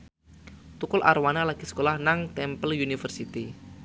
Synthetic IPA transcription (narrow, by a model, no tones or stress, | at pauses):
t̪ukʊlʔa̰rwanalaɡ̥isə̥kolahnaŋt̪ɛmpəljunifərsit̪i